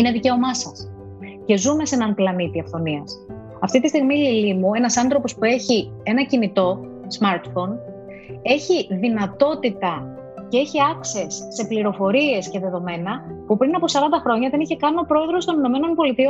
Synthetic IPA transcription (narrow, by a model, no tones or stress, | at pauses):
ine̞ðice̞o̞mɐsɐs | ce̞zume̞senɐnplɐnit̪iɐfθo̞niɐs | ɐft̪it̪ist̪iɣmililimue̞nɐsɐnθɾo̞po̞spue̞çi | e̞nɐcinit̪o̞ | z̥mɐɾt̪fo̞n | e̞çiðinɐt̪o̞t̪it̪ɐ | ce̞eçiɐkse̞sːe̞pliɾo̞fo̞ɾie̞sce̞ðe̞ðo̞me̞nɐpupɾinɐpo̞sɐɾɐnd̪ɐxɾo̞ɲɐðe̞niçe̞kɐnio̞pɾo̞eðɾo̞st̪o̞nino̞me̞no̞npo̞lit̪io